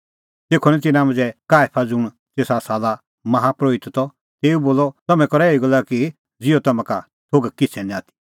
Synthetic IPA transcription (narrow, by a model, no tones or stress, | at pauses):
teːkʰːonɛ̃t̪̬ɪnãmɐ̃d͡zɛkaːjpʰad͡zʊɽ̃ | t̪eːsasaːla | mɐɦapɾoːɪt̪t̪ɔ | t̪eːuboːlɔt̪ɐmɛ̃kɔɾɛeiɡɔlaki | d͡zɪɔt̪ɐmãka | t̪ʰoːɡkɪt͡sʰɛnĩaːt̪ʰi̥